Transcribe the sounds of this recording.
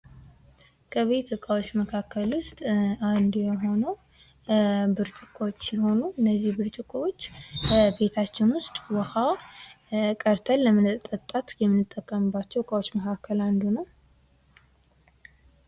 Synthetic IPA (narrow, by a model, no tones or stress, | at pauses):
kʰəβe̞t̪ɨkʼawot͡ʃːməkʰakʰːəlwʊst̪ʼand̪jɛɦo̞nə | bɨɾt͡ʃʼɨkʼowot͡ʃːsiho̞nuɨnːəzːihbɨɾt͡ʃʼɪkʼowo̞t͡ʃːbe̞t̪ʰat͡ʃːɪnwʊst̪ʼwɔha | kʼəɾt̪ʰəlːəmət̪ʼːət̪ʼːat̪jɛmːɨnɨt̪ʼːəkʼːəmɨbːat͡ʃːɛwɨkʼawo̞t͡ʃːməkʰakʰːəland̪unəw